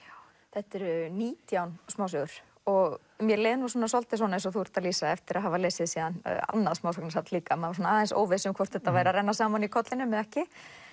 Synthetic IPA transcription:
θɛht̪ɛɾʏniːt̪jawnsmaːws̬ʏɣʏɾ̥ | ɔɣ | mjɛleːjðnvɔɾ̥s̬ɔːnas̬ɔlt̪ɪswɔnẽjns̬ɔθuɾ̥t̪aliːsaɛft̪ɪɾaðɦavaleːsɪðsiːðana̰nːaðsmaːwsɔknasat̪liːkamavaɾsɔnaaːðɛnso̰ːwvɪsʏmkʰvɔr̥t̪θɛt̪ːavaːjɾaɾɛjnːasaːmawnikʰɔt̪lɪnːʏmːɛðɛhcɪ

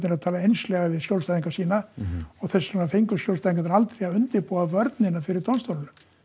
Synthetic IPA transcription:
nɪɾaðt̪ʰaːlaejnslɛɣavɪðsjowlst̪aðiŋkasiːnaɔɣθɛsːaafejŋkʏsçjowlst̪ajðiŋkat̪aɾalt̪ɾɛjaðʏnt̪ɪɾpuːavœɾt̪nɪnafɪɾɪɾt̪ʰɔnst̪owlʏnʏm

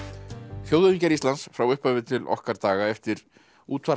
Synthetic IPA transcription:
θjoːwðʏɾiɲcaɾist̪lansfɾawʏhpœvɪt̪ʰɪlɔ̰hkaɾt̪aːɣaɛft̪ɪɾ | uːt̪ʰva

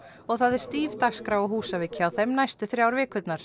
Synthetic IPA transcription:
ɔɣθaðɛɾ̥st̪iːvt̪axskɾaːwɔɦuːsavɪːcɪawθɛmnajst̪ʏθɾjaːwɾvɪːkʏt̪naɾ̥

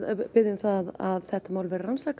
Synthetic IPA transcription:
pɪðɪnθaða̰ðθɛht̪amaːwlvɛɾɪransaːk

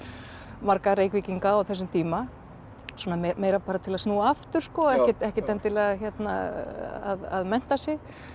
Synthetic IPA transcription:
maɾkaɾeːjkviciŋkaɔwθɛs̬ːʏmt̪ʰiːma | sɔmaemeːjɾapaːɾat̪ʰɪlaðsnuːaaft̪ʏɾ̥skɔɛhcɪt̪ɛhcɪt̪ɛnt̪ɪlaðçɛt̪na̰a̰ða̰ðmɛn̥t̪asjɪɣ

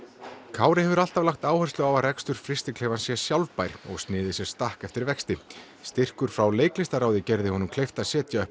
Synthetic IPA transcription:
kʰaːwɾɪhɛvʏɾalt̪avlaxt̪aːwhœrst̪lʏawaɾɛkst̪ʏɾ̥fɾɪst̪ɪkʰleːvansjɛsjawlvpajɾ̥ɔ̰ɣst̪nɪːðɪsjɛ̥st̪ahkɛft̪ɪɾvɛkst̪ɪ | st̪ɪr̥kʏɾ̥fɾawleːjklɪst̪aɾaːwðɪcɛɾðɪhɔnʏmkʰlejft̪asjɛːt̪jaœh

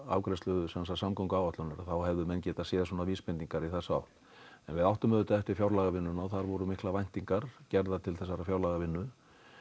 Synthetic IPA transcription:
a̰ːwkɾɛst̪œðʏsɛnsasamkɔwŋkʏawvaht̪ʏnaɾaθawɦɛvðʏmɛncɛːt̪asɛːðasɔːnaviːspɪniŋkaɾiθasa̰wt̪ | ɛnvɪðawht̪ʏmɛðʏt̪aɛht̪ɪɾ̥fjawɾlaɣavɪnːʏnaθaɾvɔɾʏmɪhklavajn̥t̪iŋkaɾ̥cɛɾðat̪ʰɪlθɛsːaɾafjawlaɣavɪnːʏ

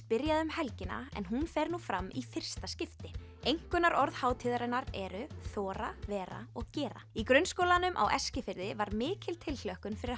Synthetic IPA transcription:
pɪɾjaðʏmhɛlcɪna̰ɛ̰nɦunfɛɾnuːfɾamːifɪr̥st̪ascɪft̪ɪ | ejŋ̥kʏnːaɾɔɾð̥haːwt̪ʰɪðaɾɛnaɾɛɾʏθɔːɾavɛːɾa̰ɔɣcɛːɾa̰ikɾœnskoːwlanʏmʔa̰wʔɛscɪfɪɾðɪvaɾmɪːcɪlt̪ʰɪllœhkʏnfɪɾɪɾ

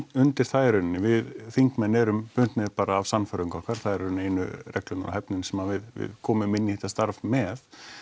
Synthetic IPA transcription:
ʏnt̪ɪɾ̥θajɾʏnɪnɪvɪðθiŋkmɛnːɛɾʏmpʏnt̪nɪɾpaːɾaːvsanːfœɾʏŋkɔhkaɾ̥θaðɛɾneːjnʏ̰ɾɛklʏnaɾa̰hɛpnɪnsɛmavɪðvɪ̰ðkʰɔːmʏmɪnːihɪt̪ast̪aɾvmɛð

